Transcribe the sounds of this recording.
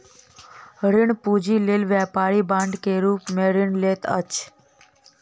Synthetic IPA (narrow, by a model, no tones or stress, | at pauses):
ɾɪɳpud͡ʒiːleːlʋjɛpaːɾiːbãːɳɖkeɾuːpmeːɾɪɳleːt̪ə̰t͡ʃ